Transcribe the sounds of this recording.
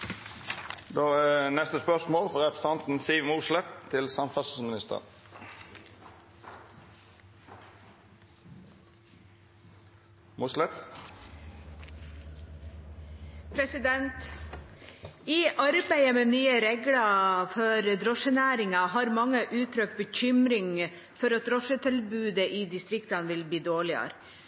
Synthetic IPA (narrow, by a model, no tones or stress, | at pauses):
d̪oːænɛst̪əspœsmoːlfɔʁɛpɾə̥st̪ɑnt̪n̩siːʋmuːʃlɛt̪ʰːɪlsɑmfɑsəsəmɪnɪst̪ə̰ʁ | muːslɛt̪ | pʰɾɛsɪd̪ɛnt̪ | ɪʔɑɾbæɪəmeːnyːəɾɛɡlɑfɔɾd̪ɾɔʃənæːɾɪŋɑɦɑːɾmɑŋːəʔʉːt̪ʰɾœk̚t̪̚bəçʏmɾɪŋ | fɔɾɑt̪̚d̪ɾɔʃət̪ʰɪlbʉːd̪əʔiːd̪ɪst̪ɾɪkt̪ɑnʋɪlbiːd̪oːɭɪɑ̰ɾ